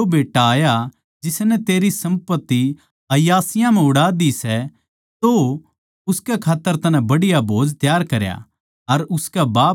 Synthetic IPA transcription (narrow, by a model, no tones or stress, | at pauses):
obeːʈːaaːja | d͡ʒɪsnɛt̪eːɾisɐ̃mpət̪ːi | ɐjaːsɪjãmɛ̃ʊɽaːd̪isɛ | t̪o | ʊskɛkʰaːt̪ːəɾt̪ɐnɛ̃bɐɽɪjabʱoːd͡ʒt̪jaːɾkɐɾja̰ | ɐɾʊskɛbaː